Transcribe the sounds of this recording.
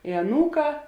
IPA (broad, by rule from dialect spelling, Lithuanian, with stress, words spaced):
ɪ ɐˈnuːˌkɑː